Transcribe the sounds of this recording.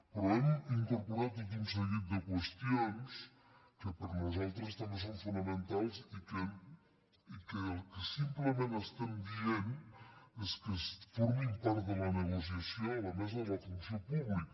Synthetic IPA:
pɾɔɛmiŋkuɾpuɾat̪ikuns̬əɣit̪̚d̪əkwəst̪ions | kəpəɾnuzalˠt̪ɾəst̪ames̬oɱfunəmənt̪alˠzikə | ikəəlˠkəsimpləmenəst̪ɛmbien | eskəsfuɾmimpaɾt̪d̪ələnəɣus̬iəsioləmɛzələt̪unsiopuβlik

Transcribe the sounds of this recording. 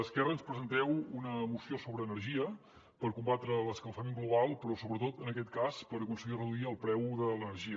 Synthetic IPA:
əskɛrənspɾəzənt̪ɛwunəmusiosoβɾəːnərʒiə | pəɾkumbat̪ɾələskəlˠfəmẽŋɡluβalˠpɾɔsoβɾət̪ot̪ənəkɛt̪kaspəɾəkunsəɣirəðuiəlˠpɾɛwðələnəɾʒiə

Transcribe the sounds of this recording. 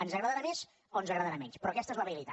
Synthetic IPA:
ənzəɣɾəðəɾames | onzəɣɾəðəɾamɛnspɾɔkɛst̪əezlaβeilit̪a

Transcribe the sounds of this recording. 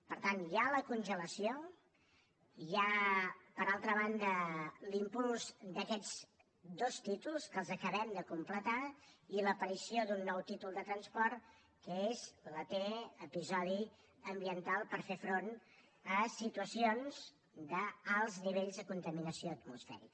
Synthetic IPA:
pəɾt̪anjaləkunʲʒələsio | japəɾalˠt̪ɾəβand̪əlimpulˠzd̪əkɛd͡z | d̪ost̪it̪ulˠskəlˠzəkəβɛmd̪əkumplət̪ailəpəɾisiod̪unːɔwt̪it̪ulˠd̪ət̪ɾənspɔɾt̪ | kəezlət̪eəpizɔði | əmbiənt̪alˠpəɾfefɾon | əsit̪uəsionz | d̪əalˠzniβ̞eʎzðəkunt̪əminəsioət̪musfɛ̰ɾik

